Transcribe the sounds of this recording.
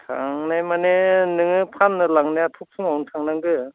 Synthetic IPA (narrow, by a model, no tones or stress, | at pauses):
tʰaŋnajmanenɯŋɯpʰanːɯlaŋnajatʰuk̚sɯŋawntʰaŋnaŋɡɯ